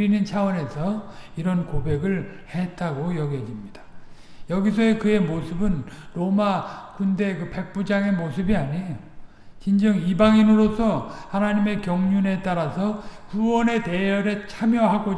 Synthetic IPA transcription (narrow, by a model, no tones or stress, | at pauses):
ɾinɯnt͡ɕʰawʌne̞sʰʌiɾʌnkobe̞ɡɯɭ | et̚t͈aɡojʌɡjʌd͡ʑimɲid̥ḁ | jʌɡisʰʌekɯe̞mosʰɯbɯnɾomakunde̞kɯpe̞k̚p͈ud͡ʑaŋe̞mosʰɯbiaɲejo | t͡ɕind͡ʑʌŋibaŋinɯɾosʰʌhanaɲime̞kjʌŋɲune̞t͈aɾasʰʌkuwʌne̞te̞jʌɾet͡ɕʰamjʌɦaɡo